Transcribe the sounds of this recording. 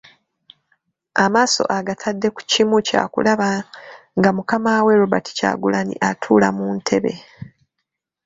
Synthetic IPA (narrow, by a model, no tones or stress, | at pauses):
amaːso̞̰ʔaɡatʰadːe̞ku̥cimuca̰ːkṵlaβaŋɡamukamaːwe̞ɾoβati̥ca̰ɡulanḭʔatʰuːla̰muːntʰe̞βe̞̰